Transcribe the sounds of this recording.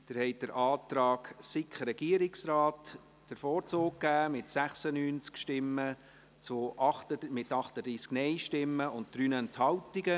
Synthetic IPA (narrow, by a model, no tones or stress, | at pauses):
d̥ɪɾhɛɪd̥əɾʔɑːtɾɑːɡsɪkχəɾɛɡ̥iəɾɪksɾɑːt | d̥əɾfɔːɾt͡soːk̚kːæːmɪtsæχsənyːnt͡skʃtɪmːə | t͡sʊʔɑχtəmɪtɑχtədɾiːsknɛɪʃtɪmːəʊnt̚d̥ɾyːnɛnthɑltiɡə